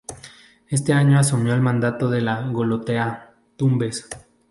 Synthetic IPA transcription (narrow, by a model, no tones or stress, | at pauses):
e̞s̬t̪eaɲoasumjo̞elmãnd̪at̪oðe̞laɣolot̪ea | t̪umbe̞s